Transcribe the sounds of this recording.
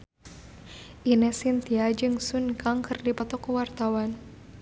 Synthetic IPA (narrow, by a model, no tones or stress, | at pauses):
ʔinɛsint̪iad͡ʒɨŋsunkaŋkɨrdipɔt̪ɔkːuwart̪awan